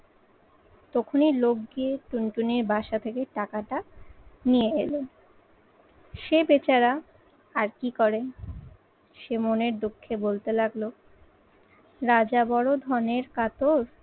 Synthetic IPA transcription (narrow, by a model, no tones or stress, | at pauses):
t̪ɔkʰonilok̚ɡieʈuɳʈuniɾbʱaʃat̪ʰekeʈakaʈanijeelo | ʃebet͡ɕaɾaː | ɾkikɔɾe | ʃemoneɾd̪okʰːebolt̪elaɡlo | ɾad͡ʑabɔɽod̪ʱɔneɾkat̪oɾ